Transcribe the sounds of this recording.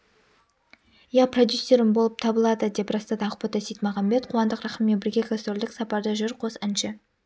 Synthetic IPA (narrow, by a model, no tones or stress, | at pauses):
jɑpʰrod̪ʲjusʲːe̞ɾɪmbolˠəp̚t̪ʰɑbəlˠɑd̪əd̪e̞pɾɑst̪ɑd̪ɑɑqʊ̥pɑt̪ɑsijt̪mɑʁɑmbe̞t̪̚qʰʊwɑnd̪əqɾɑχəmːe̞nbɪɾɡʲekʰast̪old̪ɪksɑpɑɾd̪əʒʏɾqʰo̞sɪnʃɪ